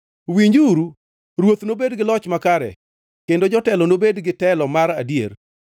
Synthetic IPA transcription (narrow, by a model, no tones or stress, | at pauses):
wiɲd͡ʒuɾu | ɾwot̪nobedɡɪlɔt͡ʃmakaɾɛ̰ | kendod͡ʒɔtɛlɔnobedɡɪtɛlɔmaɾadjḛr